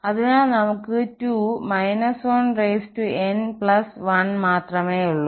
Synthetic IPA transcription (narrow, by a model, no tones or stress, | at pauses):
ɐðinaːlnɐmukːɨtuːmɐjnɐsoːnreːstuenpɭɐsʋɐnmaːt̪rɐmeːjuɭːu